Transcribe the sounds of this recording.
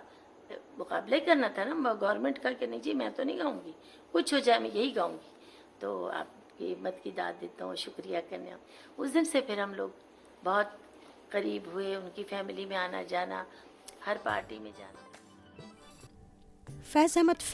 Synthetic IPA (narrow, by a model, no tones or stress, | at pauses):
mʊqa̰ːblaikɐɾnat̪ʰanaːɡɐʋɾmẽːɳʈkakenɐĩd͡ʒiːmɛ̃t̪onɐɦĩɡaːũːŋɡi | kʊt͡ʃʰɦod͡ʒaːemɛ̃jɐɦiɡaːũːɡi | t̪oːa̰ːp̚ | kiɪmːət̪kid̪a̰ːt̪̚d̪eːt̪aɦũʃʊkɾijakɐɾnḛ | ʊsd̪ɪnsepʰɪɾɦɐmloːɡ̚ | bɔːt̪̚ | qɐɾiːbɦʊeʊnkifɛːmɪlimẽaːna̰d͡ʒaːna̰ | hɐɾpa̰ːɾʈimḛ̃d͡ʒa̰ːna | fɛːsɛmət̪